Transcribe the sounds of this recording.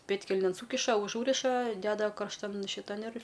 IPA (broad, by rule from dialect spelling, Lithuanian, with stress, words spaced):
ˈpʲeːtʲkʲɛlʲnʲeːn ˈsuːkʲɪʃɐ ʊˈʒuːrʲɪʃɐ ˈdʲæːdɐ kɐrʃˈtɐn ʃʲɪˈtɐn ɪr